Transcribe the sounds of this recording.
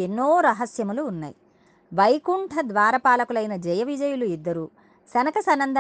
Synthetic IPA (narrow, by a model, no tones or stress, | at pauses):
enːoːɾɐɦɐsjɐmuluːnːa̰ːji | ʋɐjkuɳʈʰɐd̪ʋaːɾɐpaːlɐkulɐjinɐd͡ʒɛjɐʋid͡ʒɐjuluid̪ːɐɾu | sɐnɐkɐsɐnːɐnd̪ʱɐ